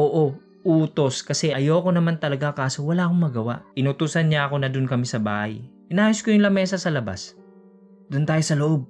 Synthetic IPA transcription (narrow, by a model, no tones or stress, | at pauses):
ʔoːʔo̞ | ʔuːt̪o̞skɐsɛʔɐjoːko̞nɐmant̪ɐlɐɡakaːso̞wɐlaʔɐkoŋmɐɡɐwa̰ʔʔɪnʊt̪uːsɐnɲaʔɐko̞nɐd̪ʊnkɐmɪsɐba̰ːhɐjʔɪnaːjoskojʊŋlɐmɛːsɐsɐlɐba̰s | d̪̥ʊnt̪aːjosɐloʔo̞b̚